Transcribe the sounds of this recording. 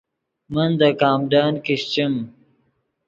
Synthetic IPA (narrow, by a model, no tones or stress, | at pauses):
mɐnd̪ɐkaːmɖaːnkiɕt͡ɕim